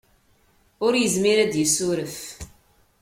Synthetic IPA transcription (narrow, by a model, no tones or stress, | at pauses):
ʊɾjəzmiɾæd̪jəsʊɾəf